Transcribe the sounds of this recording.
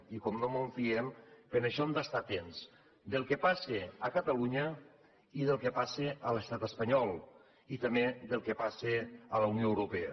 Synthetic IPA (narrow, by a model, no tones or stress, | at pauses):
ikɔmnomuɱfiempenəʃɔnd̪ast̪at̪ens | d̪elˠkepaseəkət̪əluɲə | iðəlˠkepaseʔələst̪at̪əspəɲɔlˠ | it̪əmeðelˠkepaseələunioewɾupeə̰